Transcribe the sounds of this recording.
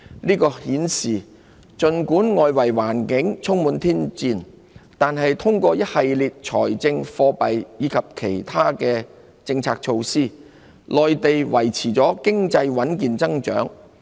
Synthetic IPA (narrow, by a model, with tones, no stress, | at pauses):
niː˥kɔː˧hiː˨˥nsiː˨˩ | t͡ʃɵ˨nkuː˨˥nŋɔː˨jwɐ˨˩jwaː˨˩nkɪ˨˥ŋt͡sʰʊ˥ŋmuː˨˧nt̪ʰiː˥nt͡siː˧n | t̪aː˨nɦɐ˨jt̪ʰʊ˥ŋkʷɔː˧jɐ˥t̚hɐ˨jliː˨t̚t͡ʃʰɔː˨˩jt͡sɪ˧ŋfɔː˧pɐ˨jjiː˨˧kʰɐ˨p̚kʰe˨˩jt̪ʰaː˥kɛː˧ | t͡sɪ˧ŋt͡sʰaː˧k̚t͡ʃʰo˧wsiː˥ | lɔː˨jt̪e˨jwɐ˨˩jt͡sʰiː˨˩t͡sɔː˨˥kɪ˥ŋt͡sɐ˧jwɐ˨˥nkiː˨nt͡sɐ˥ŋt͡ʃœː˨˥ŋ